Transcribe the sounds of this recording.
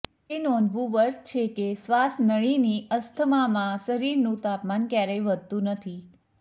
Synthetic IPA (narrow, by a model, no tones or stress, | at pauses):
enɔ̃nd̪ʱʋũʋəɾst͡ʃʰekesʋasnəɭ̃iniʔəst̪ʰəmamãsəɾiɾnũt̪apmankjaɾejʋəd̪̚t̪ũnət̪ʰi